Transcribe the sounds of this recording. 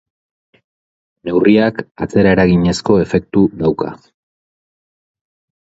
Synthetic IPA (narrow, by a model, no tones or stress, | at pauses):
ne̞wriakat͡se̞ɾae̞ɾaɣiɲe̞sko̞e̞fe̞k̚t̪uðawka̰